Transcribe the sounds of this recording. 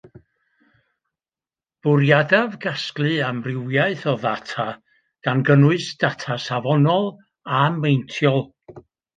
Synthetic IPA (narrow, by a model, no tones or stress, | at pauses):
b̥ʊɾjadavɡasklˠɨamrɪwjaɨθɔða̰tʰa | ɡ̥anɡənʊɨsd̥atʰasavɔnɔlˠ | amːejntʰjɔlˠ